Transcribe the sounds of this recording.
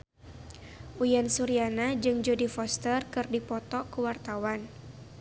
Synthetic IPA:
ʔujansuɾianad͡ʒɨŋd͡ʒodifɔst̪ərkɨrdipɔt̪ɔkuwart̪awan

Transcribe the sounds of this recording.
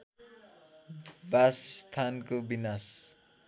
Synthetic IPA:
basːt̪ʰankobinas

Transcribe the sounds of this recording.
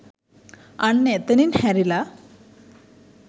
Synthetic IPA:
ɐɳːet̪ɐninhɛɾila

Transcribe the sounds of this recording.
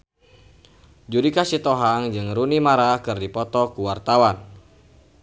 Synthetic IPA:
d͡ʒudikasit̪ɔɦaŋd͡ʒɨŋrunimaɾakɨrdipɔt̪ɔkuwart̪awan

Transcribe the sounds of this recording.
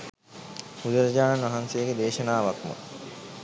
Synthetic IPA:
ud̪əɾd͡ʑaːnanʋɐɦansejɡed̪eːʃɐnaːʋakmo̰

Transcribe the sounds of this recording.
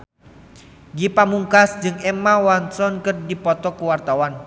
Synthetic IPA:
ɡipamuŋkasd͡ʒɨŋɛmawansɔnkɨrdipɔt̪ɔkuwart̪awan

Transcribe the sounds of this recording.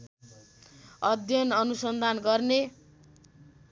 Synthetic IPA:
ʌd̪ʱjʌnʌnusʌnd̪ʱanɡʌrne

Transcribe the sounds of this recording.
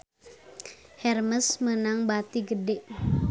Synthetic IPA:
hɛrməsmənaŋbat̪iɡədeʔ

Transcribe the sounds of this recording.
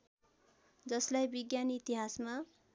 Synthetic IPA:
d͡zʌslajbiɡjanit̪iɦasma

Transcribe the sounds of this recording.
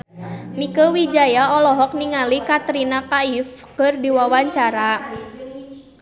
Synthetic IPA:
mikəwid͡ʒajaɔlɔɦɔk̚niŋalikat̪ɾinapaifkɨrdiwawaɲt͡ʃaɾa

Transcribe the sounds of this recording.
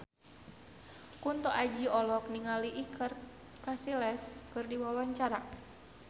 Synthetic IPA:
kunt̪ɔʔad͡ʒiɔlɔk̚niŋaliʔikər | kasilɛskɨrdiwawaɲt͡ʃaɾa

